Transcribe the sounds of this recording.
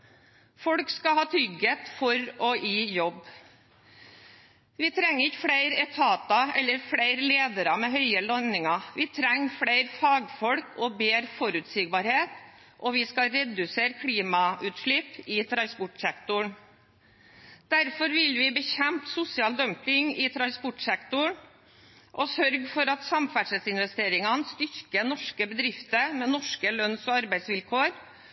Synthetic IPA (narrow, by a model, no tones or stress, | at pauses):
fɔɽkskɑhɑːt̪ʰɾʏɡət̪fɔɾɔʔiːjɔb | ʋɪt̪ʰɾɛŋːəɾɪçfɽæɪɾɛt̪ʰɑːt̪ɑɛlːəɾfɽæɪɾleːd̪əɾɑmɛɦœʏəlɔnɪŋɑʋɪt̪ʰɾɛŋːfɽæɪɾfɑːɡfɔɽkʰɔbeːɾfɔɾʉːt̪sɪɡ̚bɑːɾheːt̪ | ʔɔʋɪskɑɾɛd̪ʉseːɾkʰliːmɑʉːt̪ʂɭɪpɪt̪ʰɾɑnspɔʈsɛkt̪ʊɳ | d̪̥æɾfɔɾʋɪlʋɪbəçɛmptsʊsɪɑːld̪œmpɪŋɪt̪ʰɾɑnspɔʈsɛkt̪ʊɳ | ʔɔsœɾɡfɔɾɑt̪sɑmfæʂəsɪnʋɛst̪eːɾɪŋɑnst̪ʏɾkənɔʂkəbəd̪ɾɪft̪əɾmɛːnɔʂkəlœnsɔːɑɾbæɪsʋɪlkʰoːɾ